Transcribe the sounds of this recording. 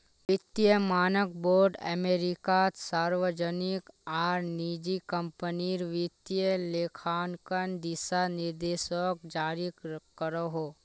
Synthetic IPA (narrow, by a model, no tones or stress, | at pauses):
ʋɪt̪jəmaːnək̚boːɾɖɛ̰meːɾɪkasaːɾʋəd͡ʒənɪkaːɾnid͡ʒikə̃mpəniɾʋɪt̪jəleːkʰaːnkənd̪ɪsanɪɾd̪eːʃək̚d͡ʒaːɾikəɾoɦoː